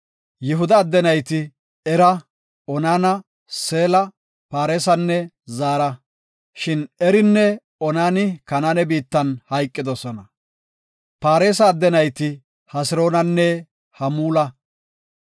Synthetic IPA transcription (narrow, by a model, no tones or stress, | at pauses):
jɪɦʊd̪ɐːd̪ːɛnɐjt̪ɪ | ɛɾɐ | ɔnaːnɐ | se̞ːlɐ | paːɾe̞ːsɐnːɛ | zaːɾɐ | ʃɪnɛɾɪnːɛ | ɔnaːnɪkɐnaːnɛbiːt̪ːɐnhɐjkʼːɪd̪ɔsɔnɐ | paːɾe̞ːs̬ɐːd̪ːɛnɐjt̪ɪ | hɐsɪɾo̞ːnɐnːɛ | hɐmuːlɐ